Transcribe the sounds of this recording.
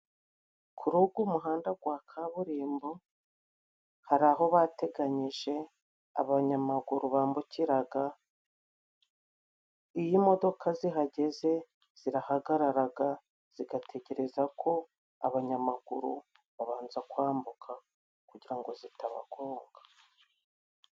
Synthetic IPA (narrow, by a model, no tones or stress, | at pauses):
kʰuɾuɡumuɦaːndaɡwaːkʰaβuɾiːmbo | haɾaɦo̞βate̞ɡaɲiʒe̞ | a̰βaɲamaɡuɾuβaːmbuciɾaɡa | ijimo̞do̞kʰaziɦaɟe̞ze̞ | z̥iɾahaɡaɾaɾaɡa | z̥iɡatʰe̞ɟe̞ɾe̞zakʰo̞ | a̰βaɲamaɡuɾu | βaβaːnzakwaːmbukʰa | kuɟiɾaŋɡo̞zitaβa̰ɡoːŋɡḁ